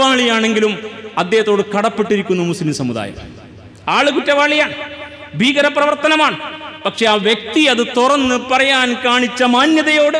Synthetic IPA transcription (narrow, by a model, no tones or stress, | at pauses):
ʋaːɭijaːɳe̞ŋɡilumɐd̪jeːhɐt̪ːo̞ːɽɨkɐɽɐpːeʈːiɾikʲːunːumuslimsɐmuða̰ːjɐ̰m | aːɭɨkutːɐʋaːɭijaːɳɨ | bʱiːɣɐɾɐprɐʋɐrt̪ɐnɐmaːɳɨpɐkʂe̞aːʋjek̚t̪iɐðɨt̪urɐnːɨpɐrɐjaːnkaːɳit͡ɕːɐmaːnjɐðɐjo̞ːɽɨ